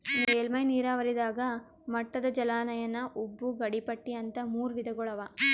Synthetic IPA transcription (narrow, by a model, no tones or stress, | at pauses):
eːlmɐjniːɾaːʋɐɾid̪aːɡɐ | mɐʈːɐd̪ɐd͡ʒɐlaːnɐjɐnːɐʔubːuɡɐɽipɐʈːiɐnt̪ɐmuːɾʋid̪ɐɡɔɭɐʋa